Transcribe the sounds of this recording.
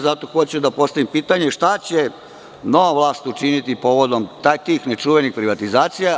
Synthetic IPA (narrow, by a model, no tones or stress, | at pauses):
zat̪oxot͡ɕud̪apo̞st̪aʋimpiːt̪aɲe̞ʃt̪at͡ɕe | no̞ʋaʋlˠaːst̪ut͡ʃinit̪ipo̞ːʋo̞d̪omt̪ajt̪iːxnet͡ʃuʋenixpɾiʋat̪izaːt̪sija